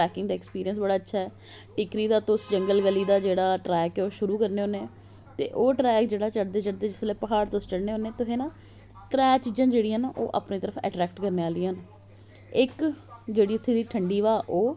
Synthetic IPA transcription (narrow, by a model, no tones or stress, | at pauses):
ʈɾɛːkɪŋɡd̪aːɛkspiːɾijənsbəɽaːətːʃʰaːɛː | ʈɪkɾiːd̪aːt̪ʊʊsd͡ʒəŋɡəlɡəliːd̪aːd͡ʒeːɽaːʈɾɛːkɛoːʃʊɾuːkəɾneːoːne | t̪ḛːʔoːʈɾɛːkd͡ʒeːɽaːt͡ʃəɽd̪eːt͡ʃəɽd̪eːd͡ʒɪsleːpəɦaːɽt̪ost͡ʃəɽneːɦoːnẽːt̪ʊɦeːnãː | t̪ɾɛːt͡ʃiːd͡ʒzãːd͡ʒeːɽiːãːnaʔoːʔa̰ːpniːt̪əɾəfʰɛ̰ːʈɾɛːk̚ʈkəɾneːaːliːaːn | ɪkd͡ʒeːɽiːʊt̪ʰːeːd̪iːʈʰəɳɖiːʋaːʔoː